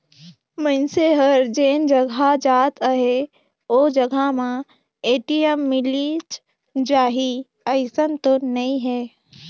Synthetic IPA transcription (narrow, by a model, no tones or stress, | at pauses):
mənseɦəɾd͡ʒeːnd͡ʒəɡʱad͡ʒaːt̪əɦe | oːd͡ʒəɡʱamã | eːʈiemːɪlit͡ʃ | d͡ʒaːɦi | əɪsənt̪onɐĩɦɛː